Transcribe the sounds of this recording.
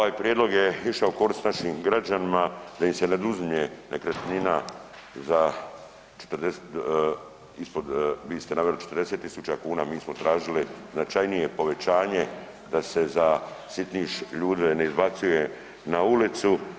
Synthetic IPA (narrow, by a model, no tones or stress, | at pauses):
oʋaːjpɾjed̪lo̞ɡje̞iʃaoko̞ɾist̪naʃiːmɡɾad͡ʑanimad̪ajimse̞ned̪uzmɲenekɾat̪nina | za | t͡ʃe̥t̪ɾd̪e | ispo̞d̪ʋiːst̪enaːʋelit͡ʃet̪ɾd̪e̞set̪ːisut͡ʃakuːnamiːsmot̪ɾaːʒiliznat͡ʃajnije̞po̞ʋe̞t͡ɕaːɲe̞ | d̪ase̞zasit̪niʃʎuːd̪ʋe̞ne̞izbat̪suje̞ | naulit̪su